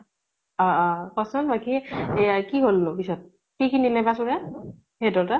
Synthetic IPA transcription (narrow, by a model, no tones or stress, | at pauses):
ɔɔkɔsɔnbaki | kiɦolːʊpisɔt̚ | kikʰinilɛbasuɹa | hedɔɹta